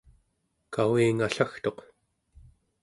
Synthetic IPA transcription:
kawiːŋaɬaxt̪oq

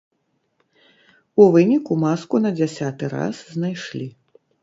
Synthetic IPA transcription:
uvɨnʲikumaskunɐd͡zʲasʲat̪ɨɾa̰sznajʂlʲi

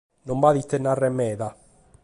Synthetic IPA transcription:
nombaðit̪ːenːarːemːɛːða

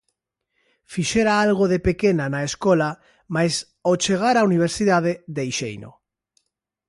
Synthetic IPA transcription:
fiʃeɾaalɣ̞oðepekenanaeskola | majs | ot͡ʃeɣ̞aɾauniβ̞eɾsiðaðeðejʃejno̰

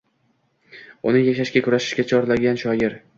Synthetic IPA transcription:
ʊnɪŋjaʃaʃkʲakʰʊɾaʃɪ̥ʃkʲat͡ʃʰɒɾlaɡʲanʃɒjɪɾ

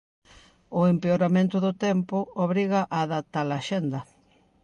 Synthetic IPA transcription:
ʊempeoɾamẽnt̪ʊðʊt̪ɛmpʊoβɾiɣaʔaːðat̪alaʃend̪ɐ

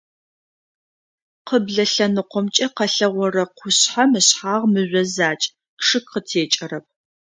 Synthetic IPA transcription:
qəbɮɐɬɐnɨqʷɔmt͡ʃʼɐqɐɬɐʁʷɔrɐqʷʊɕħamɨɕħaːʁmɨʑʷɐzaːt͡ʃʼ | ʂɨkqətʰeːt͡ʃʼɐɾɐp̚ʰ

